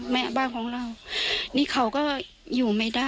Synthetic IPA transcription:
mɛ˦˧˩baː˧˥˨nkʰɔː˨˦ŋɾa˧˩wniː˧˥˨kʰa˨˩wkɔː˥˩ | juː˨˩ma˥˩jdaː˥˩

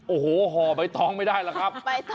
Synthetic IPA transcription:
ʔoː˨˩hoː˨˦ɦɔː˨˩ba˨˧˦jt̪ʰɔː˦˥ŋma˥˩jdaː˥˩jlaː˦˥kʰɾa˦˥p̚

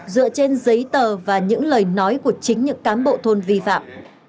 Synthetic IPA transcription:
zɨ̰˧˨ət͡ɕe˧nzə˨˦jt̪əː˨˩vaː˨˩ɲɨ̰˧˥ŋləː˨˩jnɔ˨˦jku˧˩ət͡ɕï˨˦ŋ̟ɲɨ̰˧˥ŋkaː˨˦nɓo̰˧˨t̪ʰo˧nvi˧fa̰ː˧˨m

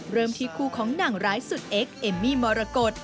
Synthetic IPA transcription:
ɾɤː˧˩mt̪ʰiː˦˥kʰuː˧˩kʰɔː˩˦ŋna˨˩ŋɾaː˦˥jsu˨˩t̪̚ʔe˦˥k̚ʔe˧˩mːiː˧˥˩mɔː˧ɾa˧ko˨˩t̪̚

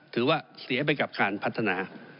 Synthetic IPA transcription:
t̪ʰɯː˩˦waː˥˩si˨˩˦ɐp̬a˧jka˨˩p̚kaː˧npʰa˦˥t̪ʰːa˧naː˧

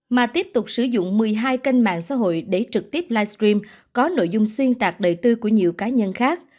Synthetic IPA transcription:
maː˨˩t̪i˦˥əp̚t̪ʊ˨˩k͡p̚sɨ˧˩zʊ̰˧˨ŋ͡mmɨ˨˩əjɦaː˧jka˧jŋ̟ma̰ː˧˨ŋsa̰ː˧˥ɦo̰˧˨jɗe˧˩t͡ɕɨ˨˩k̚t̪i˦˥əp̚laː˧jst̪ɾi˧m | kɔ˨˦no̰˧˨jzʊ˧ŋ͡mswi˧ənt̪aː˨˩k̚ɗəː˨˩jt̪ɨ˧ku˧˩əɲḭ˨əwkaː˨˦ɲə˧nxaː˦˥k̚

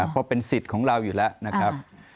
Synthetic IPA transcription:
pʰɔ˧pe˧nsi˨˩t̪̚kʰɔː˩˦ŋɾa˧wjuː˨˩lɛ˦˥ʔna˦˥kʰɾa˦˥p̚

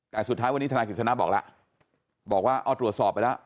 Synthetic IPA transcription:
t̪ɛː˨˩ŋsu˨˩t̪ʰːaː˦˥jwa˧nːi˦˥a˧a˧ki˨˩t̪sa˧na˦˥bɔː˨˩k̚la̰˦˥ʔ | bɔː˨˩k̚waː˥˩ʔɔː˧˩t̪ɾu˨˩ət̪sɔː˨˩p̚ːa˧jla˦˥ʔ

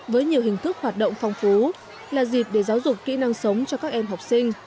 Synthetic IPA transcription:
vəː˨˦jɲi˨˩əwɦï˨˩ŋ̟t̪ʰɨ˦˥k̚hwaː˨˩t̚ɗə̰˧˨wŋ͡mfa˧wŋ͡mfu˨˦ | laː˨˩zi˨˩p̚ɗe˧˩zaː˨˦wzʊ˨˩k͡p̚kːḭ˧˥na˧ŋsə˨˦wŋ͡mt͡ɕɔ˧kaː˦˥k̚ʔɛ˧mɦa˨˩wk͡p̚sï˧ŋ̟

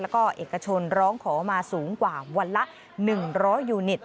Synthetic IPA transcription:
lɛ˦˥kɔː˥˩ʔeː˨˩kːa˧t͡ɕʰo˧nɾɔː˦˥ŋkʰɔː˩˦maː˧suː˩˦ŋkwaː˨˩wa˧nla˦˥ʔ | nɯ˨˩ŋɾɔː˦˥jːuː˧ni˨˩t̪̚

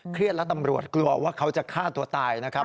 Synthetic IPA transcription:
kʰɾi˥˩ət̪̚lɛ˦˥t̪a˧mɾu˨˩ət̪̚klu˧ɐwaː˥˩kʰa˦˥wt͡ɕa˨˩kʰaː˥˩t̪u˧ɐt̪aː˧jna˦˥kʰa˦˥

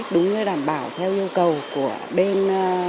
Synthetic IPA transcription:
k̚ɗʊ˨˦ŋ͡mɲɨ˧ɗaː˧˩mɓaː˧˩wt̪ʰɛ˧wʔi˧əwkə˨˩wku˧˩əɓe˧n˧

